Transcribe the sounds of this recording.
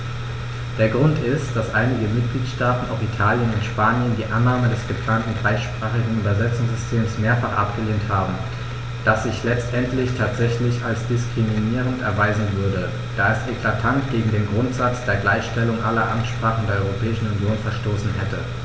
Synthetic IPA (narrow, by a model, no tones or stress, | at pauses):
d̥eːɐɡʁʊntɪstd̥asʔaɪnɪɡəmɪt̚ɡ̥liːtʃtaːtn̩aʊfitʰaːljənʊntʃpaːnjəndiːʔanːaːmədɛsɡ̥əpl̥aːntn̩dʁaɪʃpʁ̥aːχɪɡŋ̩yːbɐzɛt͡sʊŋsz̥ʏstʰeːmsmeːɐfaχʔa̰pɡ̥əleːnthaːbm̩ | d̥asz̥ɪçlɛt͡stʔɛntlɪçtʰaːtz̥ɛçlɪçalsd̥ɪskʁ̥iminiːʁ̞əntɛɐvaɪzn̩vʏɐdə | d̥aːɛsʔeklatʰantɡ̥eːɡŋ̩deːnɡʁʊntz̥at͡sd̥eːɐɡlaɪçʃtɛlʊŋʔalɐʔa̰mʃpʁ̥aːχn̩deːɐɔʏʁopʰɛːɪʃn̩unjoːnfɛɐʃtoːsn̩ɦɛtə̰